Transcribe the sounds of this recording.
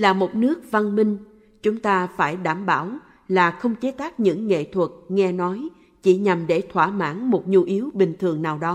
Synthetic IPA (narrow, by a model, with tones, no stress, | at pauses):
laː˨˩mo˨˩t̚nɨ˦˥ək̚va˧nmï˧ŋ̟ | t͡ɕʊ˨˦ŋ͡mt̪aː˧faː˧˩jɗaː˧˩mɓaː˧˩w | laː˨˩xə˧wŋ͡mt͡ɕe˨˦t̪aː˦˥k̚ɲɨ̰˧˥ŋːḛ˧˨t̪ʰwə˨˩t̚ŋɛ˧nɔ˨˦j | t͡ɕi˧˩ɲa˨˩mɗe˧˩t̪ʰwaː˧˩ma̰ː˧˥nmo˨˩t̚ɲu˧ʔi˨˦əwɓï˨˩ŋ̟t̪ʰɨ˨˩əŋnaː˨˩wɗɔ˨˦